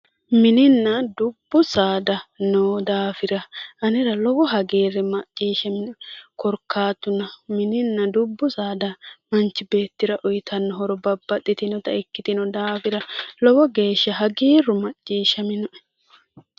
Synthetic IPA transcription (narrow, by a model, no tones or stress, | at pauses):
mɪnɪnːɐd̪ʊbːʊsaːd̪ɐnoːd̪aːfɪɾɐʔɐnɪɾɐlɔwɔɦɐɡeːɾɛmɐt͡ʃʼːiːʃɐmɪnʊkɔɾkʰːaːt̪ːʊnɐmɪnɪnːɐd̪ʊbːʊsaːd̪ɐmɐnt͡ʃːɪbe̞ːt̪ːɪɾɐʔɔjt̪ʰɐnːɔɦɔɾɔbɐbːɐt̪ʼːɪt̪ɪnɔt̪ɐɪkːɪt̪ɪnɔd̪aːfɪɾɐlɔwɔɡe̞ːʃːɐɦɐɡeːrʊmɐt͡ʃʼːiːʃɐmɪnʊʔɛ̥